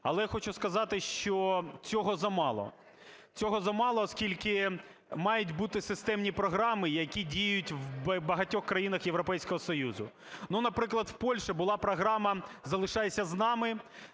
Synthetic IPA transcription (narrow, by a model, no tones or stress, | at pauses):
ɐlˠɛjaxɔt͡ʃʊskɐzɑt̪ɪʃt͡ʃɔt͡sʲɔɦɔzɐmɑlˠɔ̰ | t͡sʲɔɦɔzɐmɑlˠɔːskʲilʲkɪ | mɑjʊtʲbut̪ɪsɪst̪ɛmnʲipɾɔɦɾɑmɪjɐkʲidʲijjʊtʲwbɐɦɐtʲɔxkɾɐjinɐxjeʋɾɔpɛjsʲkɔɦɔsɔjuzʊ̰ | nunɐpɾɪklˠɐd̪wpɔlʲʃɛbʊlˠɑpɾɔɦɾɑmɐzɐlˠɪʃɑjesʲɐznɑmɪ